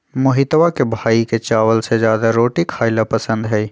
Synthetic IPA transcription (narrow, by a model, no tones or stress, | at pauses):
mʊɦɪt̪ʋakebʱaːiket͡ʃaːʋəlsezjaːd̪aɾoːʈikʰhaːɪlapɐsə̃nd̪ɦɛ